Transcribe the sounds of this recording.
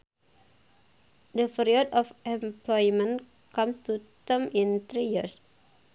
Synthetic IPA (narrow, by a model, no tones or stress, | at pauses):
dəfiɾiɔdɔfɛmplɔjmə̃n | kamst̪ut̪əmint̪ɾijḭɾs